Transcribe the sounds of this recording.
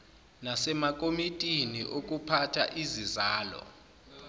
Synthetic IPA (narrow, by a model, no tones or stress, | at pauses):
nasɛmak̬ʼomitʼinḭʔok̬ʼupʰatʰaʔizizaːlɔ̰